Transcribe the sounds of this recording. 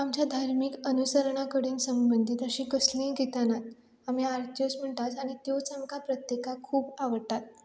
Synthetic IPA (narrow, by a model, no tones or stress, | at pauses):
amt͡ɕjad̪ʱaɾmikənusəɾɳ̃akəɽiːnsəmbənd̪ʱit̪əɕiːkəslĩɡit̪anat̪ | am̤iaɾt̪josm̤əɳʈ̪at͡saɽ̃it̪jot͡samkʰapɾət̪jekakʰuːbaʋəɾt̪at̪̚